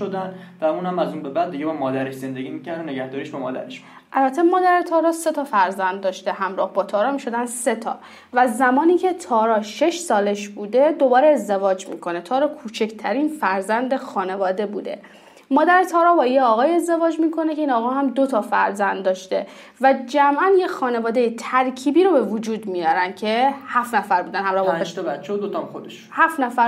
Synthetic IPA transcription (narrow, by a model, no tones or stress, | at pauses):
od̪æn | væuːnhæmæzuːnbebæd̪d̪iɟebɒmɒːd̪æɾeʃze̞nd̪eɡʲimicæɾd̪oneɡæhd̪ɒːɾiʃbemɒ̰ːd̪æ̰ɾeʃ | ʔælbæt̪ʰːe̞mɒːd̪æɾet̪ʰɒːɾɒːse̞t̪ʰɒːfæɾzænd̪ːɒːʃt̪e̞ɦæmɾɒ̰ːhbɒːt̪ʰɒːɾɒːmiːʃo̞d̪ænse̞t̪ʰɒ̰ː | væzːæmɒːniːcʰe̞t̪ʰɒːɾɒːʃe̞ʃsɒːleʃbuːd̪e̞d̪o̞bɒːɾeːzd̪e̞vɒːd͡ʒmḭːkʰo̞ne̞t̪ʰɒːɾɒːkʰuːt͡ʃʰe̞cʰt̪ʰæɾiːnfæɾzænd̪exɒːne̞vɒːd̪e̞bṵːd̪e̞̰ | mɒːd̪æɾet̪ʰɒːɾɒːbɒːjeɒːɣɒːje̞zd̪e̞vɒːd͡ʒmiːkʰo̞necʰe̞iːnɒːɣɒːɦæmd̪ot̪ʰɒːfæ̰ɾzænd̪ːɒːʃt̪e̞ | væd͡ʒæmʔænje̞xɒːne̞vɒːd̪e̞jet̪ʰæɾcʰiːbiːɾobe̞vod͡ʒuːd̪mijɒːɾænd̪̥̚cʰe̞hæft̪næfæɾbuːd̪ænhæmɾɒːhbʃbæt͡ʃʰːed̪ot̪od̪eʃhæːft̪næfæɾ